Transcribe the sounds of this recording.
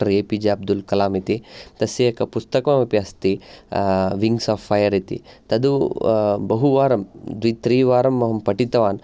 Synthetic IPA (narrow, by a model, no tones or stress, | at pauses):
ʈɐɾeːpid͡ʒeɐb̚d̪ulkɐlaːmit̪it̪ɐsjeɐkɐpust̪ɐkɐʋɐmɐpjɐst̪i | ʋiŋɡsaːfːɐjɐɾit̪ḭt̪ɐd̪u | bɐɦuʋaːɾɐmd̪ʋit̪ɾiːʋaːɾɐmːɐɦɐmpɐʈit̪ɐʋaːn